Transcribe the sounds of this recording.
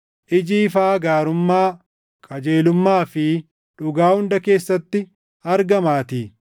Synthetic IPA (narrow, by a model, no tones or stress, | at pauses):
ʔɪd͡ʒiːfaːɡaːɾʊmːaː | kʼɐd͡ʒe̞ːlʊmːaːfɪ | ᶑʊɡaːhʊnd̪ɐke̞ːsːɐt̪ːɪ | ɐɾɡɐmaːt̪iː